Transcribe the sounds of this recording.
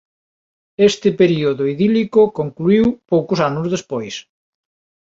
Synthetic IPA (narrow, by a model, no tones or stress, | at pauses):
est̪ɪpeɾioðoiðilikokoŋkluiwpowkʊsanʊzðespojs